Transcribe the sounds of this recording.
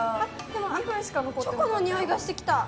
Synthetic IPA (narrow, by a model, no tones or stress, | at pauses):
a | d̪e̞moãkɯɕi̥kanokot̪d̪oekonoɲ̟ioiɡaɕi̥t̪e̞kʲi̥t̪a